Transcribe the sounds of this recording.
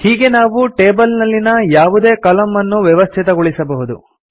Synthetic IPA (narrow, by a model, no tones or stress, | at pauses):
hiːɡe̞naːʋuʈeːbɐlnɐlːinɐjaːʋud̪e̞ːkɐlɐmːɐnːuʋjɛʋɐst̪ʰit̪ɐɡoɭisɐbɐɦud̪u